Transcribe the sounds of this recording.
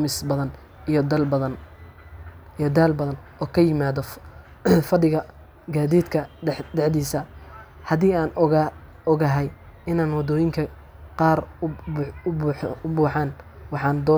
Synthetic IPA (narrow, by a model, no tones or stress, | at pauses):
mɪsbɐðɐn | ijɔd̪ɐlbɐðɐn | jɔd̪aːlbɐðɐnʔɔːkʰɐjɪmaːðɔ | fɐɖɪɣɐ | ɡaːðiːd̪kʰɐd̪ɛʕd̪iːsɐ | hɐðiːaːn | ɔɣɐɦɛj | ɪnaːnwɑd̪ɔːjɪŋkʰɐ | qɑːr | ʊʊbuːħɑːnwɑħɑːnd̪ɔː